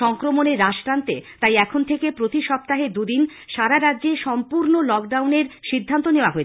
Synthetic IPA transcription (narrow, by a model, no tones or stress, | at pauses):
ɔŋkɾomoneɾaʃkɾant̪et̪ajɛkʰont̪ʰekepɾot̪iʃɔp̚t̪aɦed̪ud̪in | ʃaɾaɾadːd͡ʑeʃɔmpuɾnolɔk̚ɖawneɾʃid̪ʱːant̪oneoaɦoe